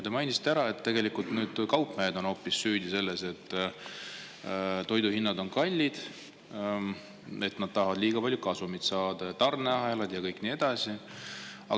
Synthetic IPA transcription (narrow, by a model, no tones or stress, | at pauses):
t̪emɑjnisi̥t̪ːeæɾɑe̞t̪ːe̞ɡe̞likult̪nyːd̪̥kɑwpːˑmeed̪o̞no̞ːpːissyːd̪̥ʲise̞lːe̞se̞t̪ːˑ | t̪o̞jd̪uhinːɑd̪o̞nkɑlʲːid̪̥ | e̞t̪nɑd̪̥̚t̪ɑɦvɑd̪liːɡ̥ɑpɑlʲjukɑsumit̪sɑːd̪̥ɑjɑt̪ɑrneɑɦelɑd̪̥jɑkɤjkˑniːe̞d̪̥ɑsʲi | ɑ̰